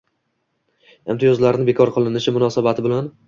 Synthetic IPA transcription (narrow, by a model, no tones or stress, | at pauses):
e̞mt̪ʰijɒzlaɾɪnɪbe̞kʰɒɾqʰɨlˠɪnɪʃɪmʊnɒsabat̪ʰɪbɪlan